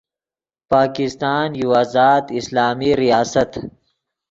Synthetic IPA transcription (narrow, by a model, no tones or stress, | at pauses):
paːkɪst̪aːnjuaːzaːd̪ɪslaːmiɾijaːsɐt̪